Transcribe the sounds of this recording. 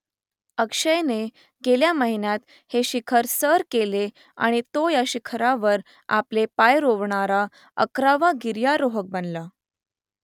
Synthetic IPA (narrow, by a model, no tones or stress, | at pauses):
əkʂəjne | ɡeljaməɦinjat̪ | heɕikʰəɾsəɾkele | a̰ɽ̃it̪ojaɕikʰɾaʋəɾ | a̰plepajɾoʋɳaɾa | ə̰kɾaʋaɡiɾjaɾoɦək̚bənla